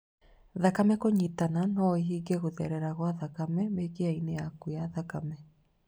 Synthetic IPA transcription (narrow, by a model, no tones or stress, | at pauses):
ðakamɛkoɲitananɔiɦiɡeɣoðɛɾɛɾaɣwaðakamɛmekeaineakujaðakamɛ